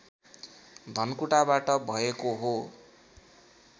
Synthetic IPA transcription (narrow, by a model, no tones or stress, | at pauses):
d̪ʱʌnkuʈabaʈʌbʱʌekoɦo